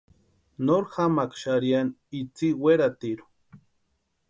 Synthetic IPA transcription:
noɾxamakʃaɾjanit͡siweɾat̪iɾu̥

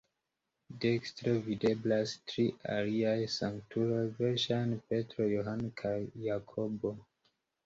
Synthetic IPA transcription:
dekstɾevide̞blastɾiʔa̰liajsaŋktuɾojveɾʃajnpe̞tɾo̞joɦankʰajːakʰo̞bo̞

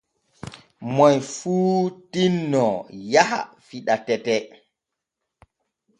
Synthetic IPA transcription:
mɔjfuːtinːɔjaha̰fiɗatɛtɛ

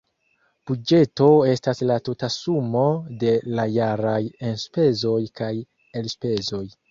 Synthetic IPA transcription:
b̥ud͡ʒe̞to̞e̞staslatutasumo̞de̞lajaɾajenspe̞zo̞jkaj | e̞lspe̞zo̞j

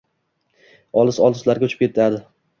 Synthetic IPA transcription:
ɒlˠɪsɒlˠɪzlaɾɡʲaʊt͡ʃʰɪ̥pkʲʰe̞t̪ʰad̪ɪ

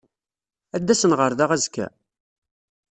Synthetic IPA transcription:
æd̪ːæsənʁəɾðaʁæzkæ̰

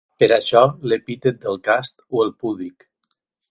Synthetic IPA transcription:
pəɾaʃɔlepit̪et̪̚d̪əlˠkast̪oəlˠpuβlik

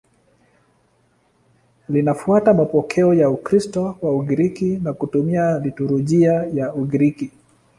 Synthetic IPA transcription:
linafuatamapɔkʰɛɔjaukɾistɔwauɡiɾikinakutumialituɾuʄiajauɡiɾiki

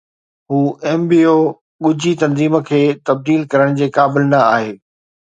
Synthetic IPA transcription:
ɦuːʔɛːmbiːoː | ɠʊd͡ʑʱit̪ɐ̃nziːmə̆kʰeːt̪ɐb̚d̪iːlkɐɾəɽ̃d͡ʑeːkaːbɪlnɐaːɦeː

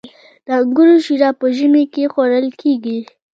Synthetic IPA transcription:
d̪̥əɡʊɾuʃiɾɑpəʒəmekexoɾəlkʰeɡi

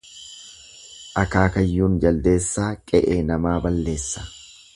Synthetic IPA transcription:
ʔɐkaːkɐjːuːnd͡ʒɐld̪e̞ːsːaːkʼɛʔeːnɐmaːbɐlːe̞ːsːɐ̥

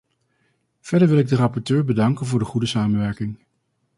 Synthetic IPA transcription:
v̥ɛdəɹʋɪlˠɪɡ̚dərɑpɔɹtøːɹbədɑŋkənvʊːɹdəχudəsaːmənʋɛɹkɪŋ

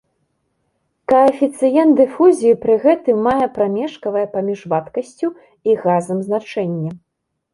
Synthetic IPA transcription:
kɐɐfʲit̪sɨjɛnt̪d̪ɨfuzʲijːpɾɨɣɛt̪ɨmːajɛpɾamʲɛʂkɐvɐjɛpamʲiʐvat̪kɐsʲt͡sʲu | iɣazɐmznat͡ʂɛnʲːɐ

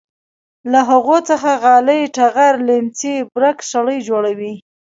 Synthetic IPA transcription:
laɦaɣot͡səxaɣɑləjʈaɣaɾlemt͡sibɾaksaɽəjd͡ʒoɽawi

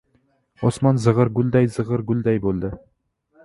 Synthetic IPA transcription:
ɔsmɑnzɨʁəɾɡʲʊlˠd̪æjzɨʁəɾɡʊld̪æjbolˠd̪ɪ

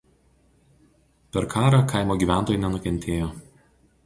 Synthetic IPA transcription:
pʲɛɾkʰɑːɾɑkʰɐɪmoːɡʲiːʋʲæˑnt̪oːjʊˑnʲɛnʊkʲɛnʲt̪ʲʰeːjoː

